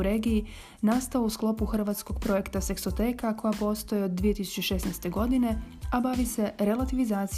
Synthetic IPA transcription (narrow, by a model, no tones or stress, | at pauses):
ɾe̞ːɡiji | nast̪aousklˠo̞puxr̩ʋaːt̪sko̞ɡ̥̚pɾo̞je̞kt̪ase̞ksot̪e̞ːkako̞japo̞st̪o̞jeo̞d̪ːʋije̞t̪isu̥t͡ɕeʃe̞snɛjst̪e̞ɡo̞d̪ine̞ | abaʋise̞ɾe̞lˠat̪iʋizaːt̪s